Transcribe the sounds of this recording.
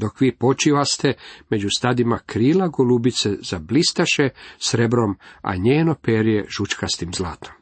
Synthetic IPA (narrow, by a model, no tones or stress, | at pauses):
d̪o̞kʋiːpo̞t͡ʃiʋast̪e̞me̞d͡ʑust̪ad̪imakɾiːlaɡolubit̪sez̥ablist̪aʃesɾe̞bɾo̞ma̰ɲeːno̞peɾijḛʒ̥ut͡ʃkast̪imzlaːt̪om